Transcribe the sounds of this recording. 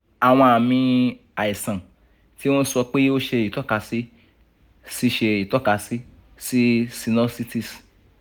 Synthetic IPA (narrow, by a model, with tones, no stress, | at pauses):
a˨w̃ɔ̃˧a˨mĩ˧ | a˨i˨sã˨ | ti˦w̃ɔ̃˦sɔ˧k͡pe˦o˦ʃe˧i˨tɔ˦ka˧si˦ | si˦ʃe˧i˨tɔ˦ka˧si˦ | si˦si˧nɔ˦si˦ti˦˨s